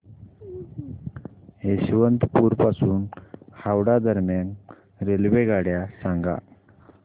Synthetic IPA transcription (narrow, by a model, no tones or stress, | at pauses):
ɦeɕiʋənt̪puːɾpasuːnhawɽad̪əɾmjan | ɾelʋeɡaɽjasaŋɡa̰